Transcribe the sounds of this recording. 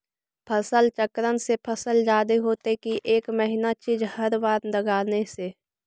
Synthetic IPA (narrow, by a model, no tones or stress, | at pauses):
pʰəsəlt͡ʃəkɾənsepʰəsəld͡ʒaːd̪eɦoːt̪ekiʔeːkməɦɪnat͡ʃiːd͡ʒhəɾʋaːɾd̪əɡaːnese